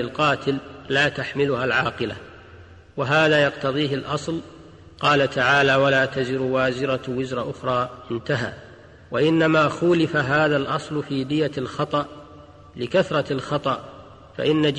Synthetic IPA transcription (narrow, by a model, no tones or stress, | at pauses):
ɪlqɑːt̪ɪlːaːt̪aħmɪlʊhalʕɑːqɨla | waɦaːðaːjɑqt̪ɑðˤiːɦɪlʔɑsˤl | qɑːlat̪ʰaʕaːlaːwalaːt̪azɪɾwaːzɪɾɑwɪzɾˤɑʔʊxɾˤɑːʔɪnt̪aɦa̰ː | waʔɪnːamaːxʊːlɪfaɦaːðalʔɑsˤlʊfiːd̪ɪjalxɑt̪ˤɑʔ | lɪkaθɾˤɑlxɑt̪ˤɑʔ | fa̰ʔɪnːad͡ʒ